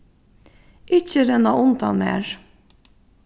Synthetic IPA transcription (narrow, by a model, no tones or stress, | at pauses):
ʔɪçəɾɛnɑʔʊnd̪ɑ̰mḛːɹ